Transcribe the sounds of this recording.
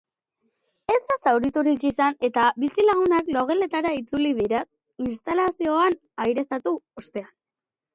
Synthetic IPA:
e̞zd̪asawɾit̪uɾikisane̞t̪abisilaɣ̞unaklo̞ɣ̞e̞le̞t̪aɾait͡suliðiɾa | inst̪alasio̞an | ajɾe̞st̪at̪uost̪e̞an

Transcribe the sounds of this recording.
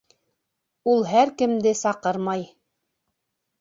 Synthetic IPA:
ulˠɦæɾkɘ̆md̪ɘsɑqɤɾmɑj

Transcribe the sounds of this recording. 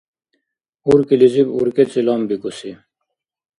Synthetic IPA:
uɾkilizibṵɾkelt͡silɑːmbikusi

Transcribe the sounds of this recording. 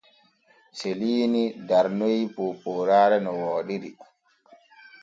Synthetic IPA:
seliːnidaɾnojpopoːɾaːɾɛnɔwɔːɗiɾi

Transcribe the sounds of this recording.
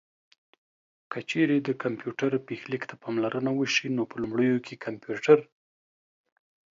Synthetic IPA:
kət͡ʃeɾed̪əkampjuʈaɾpexlikt̪ʰapɑmlaɾʔənawəʃinopəlumɽəjokʰekʰampjuʈaɾ

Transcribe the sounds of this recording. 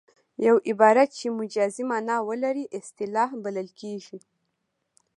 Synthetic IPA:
jawʔɪbɑɾat̪̚t͡ʃemʊd͡ʒɑzimanɑwəlaɾiʔɪst̪ɪlɑhbaləlkeʒi

